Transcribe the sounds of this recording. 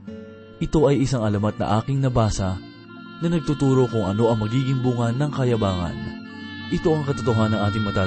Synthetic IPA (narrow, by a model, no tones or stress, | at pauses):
ʔɪt̪o̞ʔɐjʔɪsaŋɐlɐmɐt̪̚nɐ̰ʔaːkɪŋnɐbaːsɐ | nɐnɐɡ̚t̪ut̪uːɾo̞kʊŋɐno̞ʔɐŋmɐɡiːɡɪŋbʊŋɐnɐŋkɐjɐbaːŋɐ̰n | ʔɪt̪o̞ʔɐŋkɐt̪ot̪oɦanɐŋʔaːt̪ɪŋmɐt̪aː